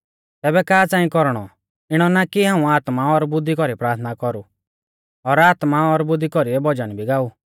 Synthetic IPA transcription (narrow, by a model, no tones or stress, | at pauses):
t̪ɛːbɛkaːt͡sãːĩkɔɾɽ̃ɔ | ɪɽ̃ɔnakiɦãːũaːt̪maɔɾbʊd̪ʱːikɔɾipɾaːɾt̪ʰnakɔɾu | ɔɾaːt̪maɔɾbʊd̪ːikɔɾiɛbɔd͡ʒañĩbʱiɡaːu